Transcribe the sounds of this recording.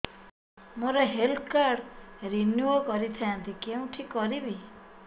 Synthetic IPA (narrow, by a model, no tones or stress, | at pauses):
moɾeɦelt̪ʰkaɾɽɾinjuokɔɾit̪ʰajant̪ʰikeũʈʰikɔɾibi